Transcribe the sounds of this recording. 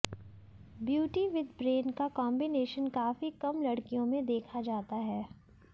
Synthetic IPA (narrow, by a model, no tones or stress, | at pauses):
bjuːʈiʋɪd̪bɾeːnkakɔ̃ːmbɪneːʃənkaːfikɐmlɐɽkijõmẽd̪eːkʰad͡ʒaːt̪aɦɛː